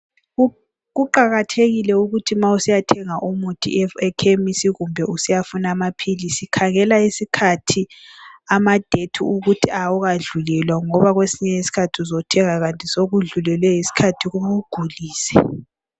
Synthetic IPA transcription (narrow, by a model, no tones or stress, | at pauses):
ɣuǃaɣatʰeɣilɛuɣutʰimausijatʰɛŋaʔumutʰʼḭɛkʰemisiɣumbʱɛusijafunaːmapʰilisikʰaɣɛlaisikʰatʰiamad̥ʱetʰṵuɣutʰiauɣaɮulɛlwaŋɔβaɣwesiɲɛjisi̥kʰatʰiuzɔtʰɛŋaɣantʼisoɣuɮulɛlwɛɦisi̥kʰatʰiɣuβuɡ̥ʱuliːsɛ̥